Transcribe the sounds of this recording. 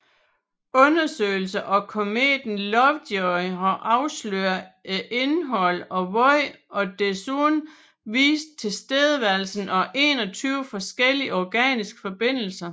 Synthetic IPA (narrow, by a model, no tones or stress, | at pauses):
ɔ̽nɐsø̰ːɪl̩səʔɒ̽kʰo̝me̝̰ːd̥n̩lɒʋd̥ɔhɑʔɑ̈ʊslø̰ːɐæʔe̝nɦɒ̽l̰ɒ̽ʋɔɪ | ɒ̽d̥esun | ʋḭːsd̥̚t͡sʰe̝sd̥eðˠəʋæɐlsn̩ʔɒ̽ʔe̝̰ːnɒ̽t͡sʰyːʊfɒ̽sɡ̥el̰iɒɡ̥ɛ̰ːnisɡ̥ə̥fɒ̽b̥e̝n̰l̩sɐ